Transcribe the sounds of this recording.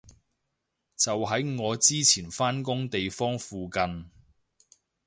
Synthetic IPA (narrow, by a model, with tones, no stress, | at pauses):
t͡sɐ˨wɦɐ˨˥jŋɔː˨˧t͡siː˥t͡sʰiː˨˩nfaː˥nkʊ˥ŋt̪e˨jfɔː˥ŋfuː˨kɐ˧n